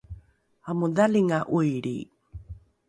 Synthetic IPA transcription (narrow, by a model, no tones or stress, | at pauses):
amuðaliŋaʔujɾḭ